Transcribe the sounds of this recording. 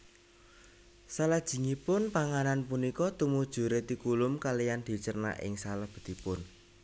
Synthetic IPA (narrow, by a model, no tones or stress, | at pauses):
salad̥ʒ̥i̤ŋipʊnpaŋananpunikɔt̪umud̥ʒ̥ṳɾet̪ikulʊmkalijand̪̥i̤t͡ʃərna̰ʔɪ̰ŋsaləhb̥ə̤d̪̥ipʊn